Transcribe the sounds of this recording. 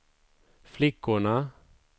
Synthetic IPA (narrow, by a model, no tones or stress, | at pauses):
flɪkːʊɳa